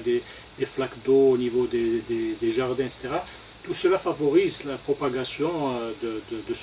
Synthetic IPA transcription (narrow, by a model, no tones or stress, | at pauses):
d̪e | d̪̥eflakd̪oːnivod̪ed̪ed̪eʒaʁd̪ɛ̃et̪se̥t̪eʁa | t̪usəlafavɔʁizlapχɔpaɡasjɔ̃d̪əd̪əd̪əs